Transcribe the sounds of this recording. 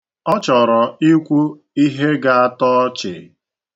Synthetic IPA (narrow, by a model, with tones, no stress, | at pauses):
ɔ˦t͡ʃɔ˨ɾɔ˨i˦kʷu˦ | i˦ɦe˦ɡa˨a˦tɔ˦t͡ʃɪ̰˨